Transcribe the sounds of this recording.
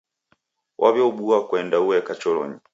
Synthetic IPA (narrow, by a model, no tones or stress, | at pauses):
wʔaβjɔuɓuakwɛndauwɛkat͡ʃɔlɔ̰ɲi